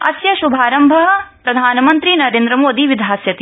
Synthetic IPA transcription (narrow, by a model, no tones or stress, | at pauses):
ɐ̰sjɐʃubʱaːɾɐmbʱɐɦɐ̆pɾɐd̪ʱaːnɐmɐnt̪ɾinɐɾeːnd̪ɾɐmoːd̪iʋid̪ʱaːsjɐt̪i